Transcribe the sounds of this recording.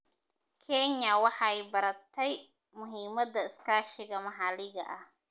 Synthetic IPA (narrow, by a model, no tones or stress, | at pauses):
kʰɛɲːɐwɑħɑɛjbɐɾɐt̪ʰɛj | mʊɦiːmɐd̪ɐɪskʰaːʃɪɣɐmɐɦɑːlɪɣɐ̰ʔɐh